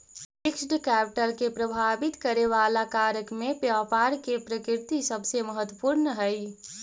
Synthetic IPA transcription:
pɪksʈkɛːp̚ʈəɾkepɾɐbʱaːbɪt̪kəɾeʋaːlakaːɾəkmẽpjaːpaːɾkepɾəkɪɾt̪isəbʱseməɦət̪wəpuɾnəɦɛi

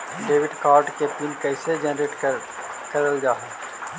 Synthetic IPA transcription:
ɖeːʋɪɖkaːɾɖkepinkɛːsed͡ʒɛnɾeːʈ | kɐɾəld͡ʒaːɦ

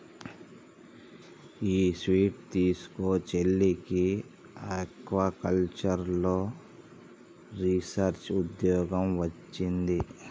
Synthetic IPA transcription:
iːsʋiːʈ̚t̪iːsu̥koːt͡ʃelːiki | ekʋɐkɐlt͡ʃɐɾloː | ɾisɐɾt͡ʃud̪jɔːɡɐmʋɐt͡ʃːind̪i

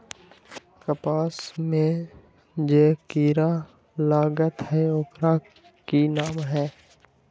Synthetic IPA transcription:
kəpaːsmẽ | d͡ʒeːkiːɾa | laːɡət̪ɦɛʊkɾa | kinaːmɦɛː

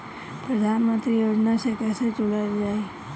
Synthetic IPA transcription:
pɾəd̪ʱanmə̃nt̪ɾijod͡ʒnasekɛːset͡ʃʊləld͡ʒaːe

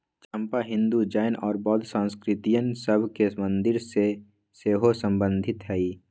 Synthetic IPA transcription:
t͡ʃʰə̃mpaɦɪ̃nd̪ud͡ʒaːjnɔːɾbɔːd̪sãːnskɾɪt̪ijənsəbʱkemə̃nd̪ɪɾse | seːɦosə̃mbə̃nd̪ʱɪt̪ɦɛiː

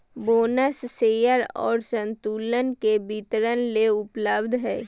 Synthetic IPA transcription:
boːnəsːeːjəɾɔ̰ːɾsə̃nt̪uːlənkebit̪ɾənleʊpləbd̪ʱɦɛː

